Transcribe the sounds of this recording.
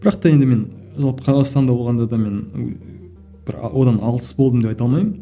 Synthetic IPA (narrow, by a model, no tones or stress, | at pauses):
b̥ɪɾɑq̚t̪ɑje̞nd̪ɪme̞n | ʒɑlˠpə̥qʰɑzɑqst̪ɑnd̪ɑbwo̞lˠʁɑnd̪ɑd̪ɑme̞n̰ | b̥ɪɾ̰wo̞d̪ɑnɑlˠəsbolˠd̪əmd̪e̞pɑjt̪ɑlmɑjmən